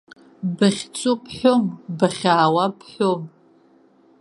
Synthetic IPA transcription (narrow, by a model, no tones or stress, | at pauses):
bɨχʲt͡sʷʼupʰħʷombɨχʲaːwapħʷom